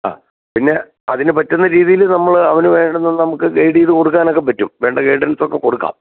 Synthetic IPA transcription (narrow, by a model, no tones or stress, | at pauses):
a̰ː | pinːe̞ | ɐðinɨpɐtːunːɐɾiːðijilnɐmːɐɭɐʋɐnuʋe̞ːɳɖunːenːɨnɐmukːɨɡejɽijːðɨko̞ɽuk̬ːaːno̞k̬ːe̞p̬ɐtːumʋe̞ːɳɖɐɡejɖɐnɐsokːe̞ko̞ɽukːa̰ːm